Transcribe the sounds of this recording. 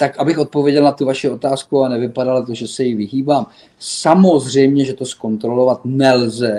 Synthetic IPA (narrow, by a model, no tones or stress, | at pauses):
t̪akʔabɪxʔo̞t̪̚po̞vjɛɟɛlnat̪uvaʃɪo̞t̪aːskuanɛvɪpadalt̪oʒɛsɛjɪvɪɦiːbaːm | samo̞zr̝ɛjmɲɛʒɛt̪o̞sko̞nt̪ɾo̞lo̞vat̪nɛlzɛ